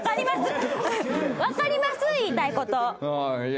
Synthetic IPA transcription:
kaɾʲimasɨ | βakaɾʲimasɨiːt̪aiko̞t̪o

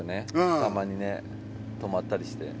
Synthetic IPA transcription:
one̞t̪amaɲ̟ine̞ | t̪o̞mat̪ːaɾʲiɕi̥t̪e̞̰

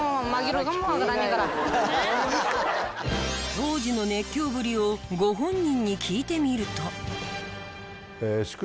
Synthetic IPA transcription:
maɡiɾoɡamɡaɾaɲikaɾa | t̪o̞ːʑino̞ne̞kʲːo̞ːbɯ̟ɾʲio̞ɡo̞ɦõ̞ɲːĩɲ̟ːikʲʰiːt̪e̞mʲiɾɯ̟t̪o̞ | eɕi̥k

